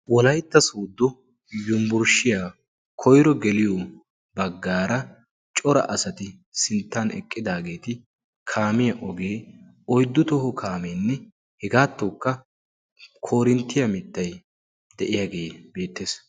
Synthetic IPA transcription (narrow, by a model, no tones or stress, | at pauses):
wɔlɐjt̪ːɐsoːd̪ːʊ | jʊmbʊɾʃɪja | kʰɔjɾɔɡɛlɪjɔ | bɐɡːaːɾɐ | t͡ʃʼɔɾɐ̰ʔɐsɐt̪ɪ | sɪnt̪ːɐnɛ̰kʼːɪd̪aːɡe̞ːt̪ɪ | kʰaːmɪjɐʔɔɡeː | ɔjd̪ːʊt̪ɔhɔkʰaːmeːnːɛ | hɛɡaːt̪ːoːkːɐ | kʰo̞ːɾɪnt̪ːɪjɐmɪt̪ːɐj | d̪ɛʔɪjaɡe̞ːbe̞ːt̪ːeːs